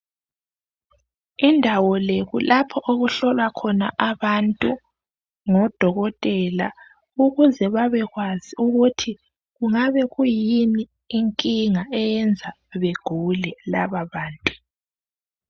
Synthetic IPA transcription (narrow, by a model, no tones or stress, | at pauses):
indʱawɔleɣulʔapʰɔʔoɣuɬɔlwakʰɔnaʔaβantʼu | ŋɔd̥ʱɔɣɔtʼɛla̰ | uɣuzɛβaβɛɣwaziuɣutʰi | ɣuŋaβɛɣujiniː | ŋkʼiŋaɛjɛnd͡zʱa | βeɡ̥ʱulɛlaβaβaːntʼu̥